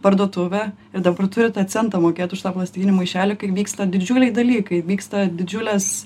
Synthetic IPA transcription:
pɐrd̪uɔt̪ʊʋʲɛ | ɪɾd̪ɐbɐrt̪ʊɾʲɪt̪ɐt̪̚ʲsʲɛnt̪ɐmoːkʲeːt̪ʊʃt̪ɑːplˠɐsʲt̪ʲɡʲinʲumɐɪʃʲæːlʲokɐɪʋʲiːkst̪ɐd̪ʲɪd͡ʒʲuːlʲɛɪd̪ɐlʲiːkɐɪʋʲiːkst̪ɐd̪ʲɪd͡ʒʲʊlʲɛs

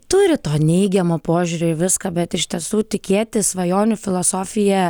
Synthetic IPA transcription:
t̪ʊɾʲɪt̪oːnʲɛɪɡʲɛmoːpoːʒʲʊɾʲoːɪʋʲɪskɐbʲɛt̪ɪʃʲt̪ʲiɛsuːt̪ʲɪkʲeːt̪ʲɪsʋɐjoːnʲʊfʲɪlˠoːsoːfʲɪjɛ

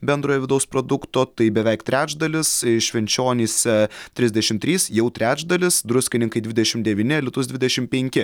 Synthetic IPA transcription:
bʲɛnd̪ɾoːjɛʋʲɪd̪ɐʊspɾod̪ʊkt̪oːt̪ɐɪbʲɛʋʲɛɪkt̪ʲɾʲæːt͡ʃd̪ɐlʲɪsʃʲʋʲɛnʲt͡ʃʲoːnʲiːsʲɛt̪ʲɾʲɪzʲd̪ʲɛʃʲɪmt̪ʲɾʲiːsjɛʊt̪ʲɾʲæːd͡ʒd̪ɐlʲɪsd̪ɾʊsʲkʲɪnʲɪŋkɐɪd̪ʲʋʲɪd̪ʲɛʃʲɪmd̪ʲɛʋʲiːnʲɪlʲɪt̪ʊsd̪ʲʋʲɪd̪ʲɛʃʲɪmpʲɛŋʲkʲɪ

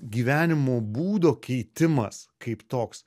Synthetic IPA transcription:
ɡʲiːʋʲæːnʲɪmoːbuːd̪oːkʲɛɪt̪ʲɪmɐskʰɐɪpt̪oːks

